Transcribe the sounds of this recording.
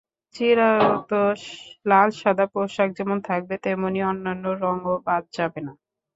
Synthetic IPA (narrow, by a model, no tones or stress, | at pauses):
t͡ɕiɾaot̪olalʃad̪ʱapɾoʃak̚d͡ʑɛmont̪ʰak̚bet̪ɛmoniɔnːanːoɾɔŋobad̪̚d͡ʑabena